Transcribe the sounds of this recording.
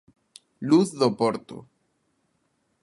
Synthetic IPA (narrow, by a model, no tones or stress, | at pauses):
luθðopoɾt̪o̰